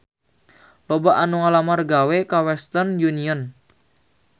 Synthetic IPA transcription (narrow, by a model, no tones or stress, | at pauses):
lobaʔanuŋalamarɡawekawɛst̪ərnjuniɔn